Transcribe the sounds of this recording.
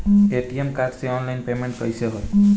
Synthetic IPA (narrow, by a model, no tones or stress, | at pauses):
eʈiemkadseɔnlainpemeɳʈ̚kəjseɦot